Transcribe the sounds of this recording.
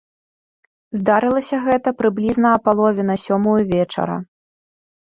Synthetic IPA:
zd̪aɾɨlˠɐsʲɐɣɛt̪ɐpɾɨblʲiznɐːpalˠɔvʲɛnɐsʲɔmujuvʲɛt͡ʂɐ̰ɾɐ̰

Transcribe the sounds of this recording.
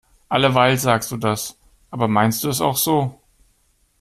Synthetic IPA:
ʔaləvaɪltz̥aːkstd̥uːdas | ʔaːbɐmaɪnst̚d̥uːɛsa̰ʊxz̥oː

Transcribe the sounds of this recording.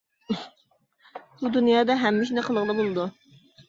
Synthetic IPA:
bud̪unjɑːd̪ɑɦɛmːɪʃinæqʰəlˠəʁlˠɑbolˠɨd̪u

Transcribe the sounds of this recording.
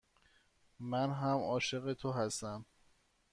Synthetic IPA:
mænɦæmɒːʃe̞ɣe̞t̪ʰoɦæst̪æm

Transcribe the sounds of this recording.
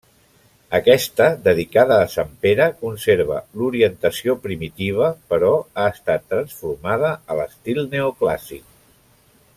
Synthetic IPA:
əkɛst̪əd̪əðikaðəːsampeɾəkunseɾβə̰luɾiənt̪əsiopɾimit̪iβ̞əpəɾɔaəst̪at̪ːɾənsfuɾmaðəələst̪ilˠneukla̰sḭk̚

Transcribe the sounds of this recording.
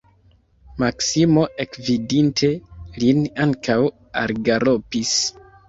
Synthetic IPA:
maksimo̞ʔe̞kvidintʰe̞linaŋkʰaw | a̰ɾɡaɾopis

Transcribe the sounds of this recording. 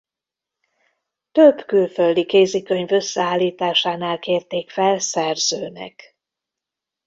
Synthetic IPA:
t̪øbkylfø̞ld̪ikeːzikø̞ɲvø̞sːɛaːlːiːt̪aːʃaːnaːlkeːrt̪eːkfɛlsɛrzøːnɛ̰k

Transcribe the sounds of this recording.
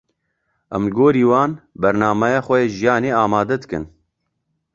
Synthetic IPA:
ʔɛmɡoːɾiːwɑːnbɛɾnaːmɛjaːxʷɛjeːʒijɑːneːaːmaːd̪ɛd̪ɨkɨ̰n

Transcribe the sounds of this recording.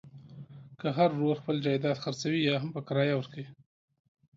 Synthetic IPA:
kəɦaɾːoɾxpəld͡ʒɑjd̪ɑt̪xaɾt͡sawijɑɦampəkaɾɑjawəɾkawi

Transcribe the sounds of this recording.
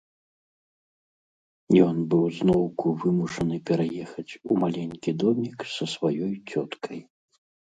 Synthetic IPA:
jɔnbɨwznɔwkuvɨmuʂɐnɨpʲɛɾajɛxɐt͡sʲumalʲɛnʲkʲid̪ɔmʲiksɐsvajɔjt͡sʲɔt̪kʰɐj

